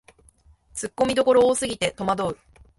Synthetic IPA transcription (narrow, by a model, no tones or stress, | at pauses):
t͡sɨkːo̞mʲid̪o̞ko̞ɾoːsɨɡʲit̪e̞t̪o̞mad̪o̞ɯ̟